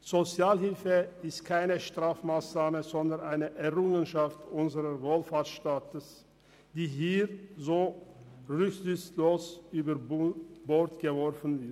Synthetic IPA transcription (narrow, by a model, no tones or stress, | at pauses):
z̥ot͡sjaːlhɪlfəɪstkʰaɪnəʃtʁ̥aːfmaːsnaːməzɔndɐnʔaɪnəʔɛʁʊŋənʃaftʔʊnzəʁɐvoːlfaːtʃtaːtəs | d̥iːɦiːʁzoːʁʏçzʏçsloːsʔyːbɐbɔɐtɡ̥əvɔʁfn̩vɪɐt